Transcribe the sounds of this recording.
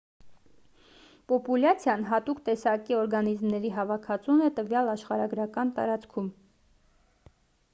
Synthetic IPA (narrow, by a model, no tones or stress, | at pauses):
pɔpulɑt͡sʰjɑnɦɑt̪ukt̪ɛsɑkiɔɾɡɑnizmnɛɾiɦɑvɑkʰɑt͡sʰunɛt̪əvjɑlɑʃχɑɾɑɡɾɑkɑnt̪ɑ̰ɾɑt͡skʰum